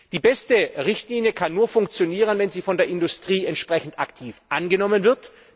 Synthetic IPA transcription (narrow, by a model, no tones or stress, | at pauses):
d̥iːbɛstəʁɪçtliːnjəkʰanːuːɐfʊŋk̚t͡sjoniːʁ̞ənvɛnziːfɔndeːɐɪndʊstʁ̥iːɛntʃpʁ̥ɛçn̩tʔaktʰiːfʔanɡənɔmənvɪɐt